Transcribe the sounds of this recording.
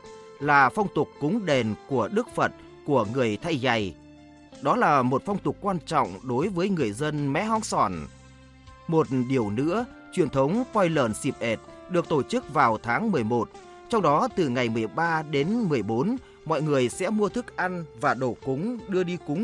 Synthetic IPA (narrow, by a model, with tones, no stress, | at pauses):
laː˨˩fɔ˧wŋ͡mt̪ʊ˨˩k͡pːʊ˨˦ŋ͡mɗe˨˩nku˧˩əɗɨ˦˥k̚fə˨˩t̚ | ku˧˩əŋɨ˨˩əjt̪ʰa˧jza˨˩j | ɗɔ˨˦laː˨˩mo˨˩t̚fɔ˧wŋ͡mt̪ʊ˨˩k͡p̚k̚kwaː˧nt͡ɕɔ̰˧˨wŋ͡mɗo˨˦jvəː˨˦jŋɨ˨˩əjzə˧nmɛ̰˧˥ɦɔ̰˧˥nsɔ˧˩n | mo˨˩t̚ɗi˧˩əwnɨ̰˧˥ə | t͡ɕwi˨˩ənt̪ʰə˨˦wŋ͡mfɔ˧jləː˧˩nsi˨˩p̚ʔe˨˩t̚ɗɨ˨˩ək̚t̪o˧˩t͡ɕɨ˦˥k̚vaː˨˩wt̪ʰaː˨˦ŋmɨ˨˩əjmo˨˩t̚ | t͡ɕɔ˧wŋ͡mɗɔ˨˦t̪ɨ˨˩ŋa˨˩jmɨ˨˩ə˩jɓaː˧ɗe˨˦nmɨ˨˩əjɓo˨˦n | mɔ̰˧˨jŋɨ˨˩əjsɛ̰˧˥mu˧ət̪ʰɨ˦˥k̚ʔa˧nvaː˨˩ɗo˧˩kʊ˨˦ŋ͡mɗɨ˧əɗi˧kʊ˨˦ŋ͡m